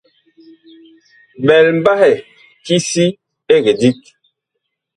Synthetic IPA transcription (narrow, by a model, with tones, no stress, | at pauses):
bɛ˨lm˦ba˦hɛ˨ | ki˦si˦ | e˦ɡe˨di˦k̚